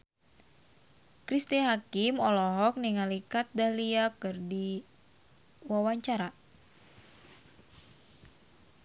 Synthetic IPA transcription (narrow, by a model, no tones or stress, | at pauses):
kɾist̪iɦakimɔlɔɦɔk̚niŋalikat̪̚daliakɨrdi | wawaɲt͡ʃaɾa